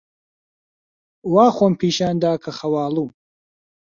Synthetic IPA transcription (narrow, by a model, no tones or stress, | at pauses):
waːxompʰiːʃaːnd̪aːkʰɐxɐwaːluː